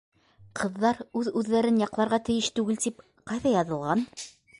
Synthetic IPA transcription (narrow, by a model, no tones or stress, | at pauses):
qʰɤ̆ðːɑɾʉðʉðːæɾɘnjɑqlˠɑɾʁɑt̪ɘ̆jɘʃt̪ʉɡɘlt̪ip | qɑjðɑjɑðɤ̆lˠʁɑn